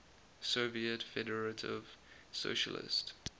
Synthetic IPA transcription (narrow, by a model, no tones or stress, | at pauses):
soviətfɛdəɹətʰɪ̰v̥ | so̰ʃə̰lɪ̰st